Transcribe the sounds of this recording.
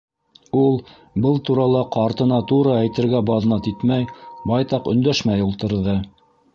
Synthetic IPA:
ulˠ | bɤlˠt̪uɾɑlˠɑqɑɾt̪ɤ̆nɑt̪uɾɤæjt̪ɘ̆ɾɡæbɑðnɑt̪it̪mæjbɑjt̪ɑqɵ̆nd̪æʃmæjulˠt̪ɤ̆ɾðɤ

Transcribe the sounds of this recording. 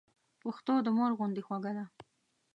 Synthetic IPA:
paxt̪od̪əmoɾɣʊnd̪exwaɡad̪a

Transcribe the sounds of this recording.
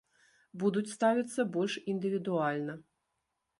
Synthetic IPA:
bud̪ut͡sʲst̪avʲit̪sːɐbɔlʲʂind̪ɨvʲid̪ualʲnɐ

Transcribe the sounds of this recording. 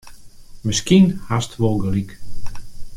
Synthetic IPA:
mɪskinhastʋolˠɡəlik

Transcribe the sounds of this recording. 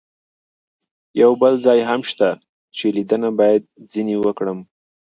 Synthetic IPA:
jawbəlzɑjɦamʃt̪a | t͡ʃelid̪ənabɑjad̪̚zinewəkɽəm

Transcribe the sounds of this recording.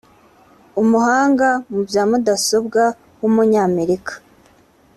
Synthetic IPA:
umuhaːŋɡamubjaːmudaso̞bɡa | wumuɲaːme̞ɾikḁ

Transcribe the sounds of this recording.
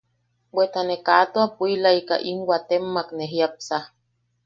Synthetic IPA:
wet̪anekat̪oapuilaika̰ʔinwat̪emːakneɦjap̚sa

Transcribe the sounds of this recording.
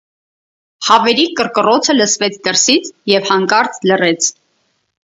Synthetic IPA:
hɑvɛɾikəɾkərɔt͡sʰələsvɛt͡sʰd̪əɾsit͡sʰjɛvhɑŋkɑɾt͡slərɛt͡sʰ

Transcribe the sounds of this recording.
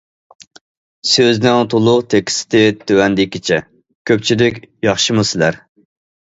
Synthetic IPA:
søznɪŋt̪ʰolˠʊqt̪ʰekʲɪ̥sɪ̥t̪ɪt̪ʰøwɛnd̪ɪkʲːit͡ʃʰɛ | kʲʰøp̚t͡ʃʰilɪkʲjɑχʃimusɪlæɾ

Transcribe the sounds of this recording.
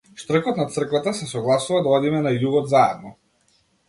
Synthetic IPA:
ʃt̪r̩kɔt̪nat̪sr̩kvat̪asɛsɔɡlˠasuvad̪aɔd̪imɛnajuɡɔd̪zaɛ̰d̪̚nɔ

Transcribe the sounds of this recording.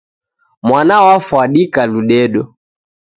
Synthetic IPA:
mwanawafwaɗikaluɗɛɗɔ

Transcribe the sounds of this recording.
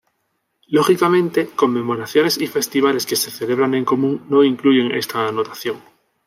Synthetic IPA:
lo̞xikamẽ̞nt̪e̞ko̞mːẽ̞mo̞ɾaθjo̞ne̞sife̞st̪iβ̞ale̞ske̞se̞θe̞le̞β̞ɾaŋẽ̞ŋko̞mũŋno̞iŋkluʝe̞ŋe̞̰st̪aːno̞t̪aθjo̞ŋ

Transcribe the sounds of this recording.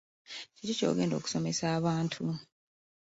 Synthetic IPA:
ciɾico̞̰ːɡe̞ːndo̞ːku̥so̞me̞saːβaːntʰu

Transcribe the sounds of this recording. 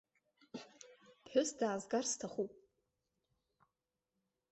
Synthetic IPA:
pħʷᶣʊsdaːzɡarstʰaχupʼ

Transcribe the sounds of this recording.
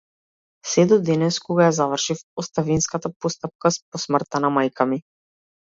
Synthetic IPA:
sɛd̪ɔd̪ɛnɛskɔɡajazavrʃifɔst̪avinskat̪apɔst̪ap̚kasp̚ɔsmr̩t̪anamajkʰami

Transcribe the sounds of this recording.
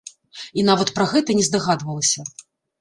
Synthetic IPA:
inavɐt̪pɾɐɣɛt̪ɐnʲɛzd̪aɣad̪vɐlˠɐsʲɐ

